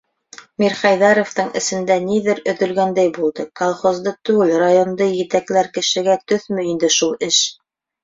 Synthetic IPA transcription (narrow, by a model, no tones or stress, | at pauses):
miɾχɑjðɑɾoft̪ɤɴɘ̆sɘ̆nd̪æniðɘɾɵ̆ðɵ̆lɡænd̪æjbulˠd̪ɤkolˠχozd̪ɤt̪ʉɡɘlrajond̪ɤjɘ̆t̪æklæɾkɘ̆ʃɘ̆ɡæt̪ɵθmɘ̆ind̪ɘʃulˠɘʃ